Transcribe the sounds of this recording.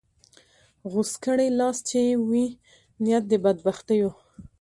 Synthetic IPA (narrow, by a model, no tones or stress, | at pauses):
ɣuskəɽelɑst͡ʃewi | nijat̪̚d̪əbad̪̚baxt̪əjo